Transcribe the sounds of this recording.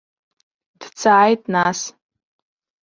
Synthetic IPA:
d̥t͡sʰaʕajtʼnas

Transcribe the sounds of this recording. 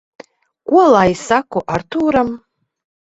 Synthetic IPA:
kuɔlˠajsakɔʔart̪ʰuːɾam

